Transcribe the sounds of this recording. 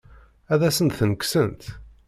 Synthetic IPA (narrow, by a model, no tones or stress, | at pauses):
æðæsənt̪θənəksənt̪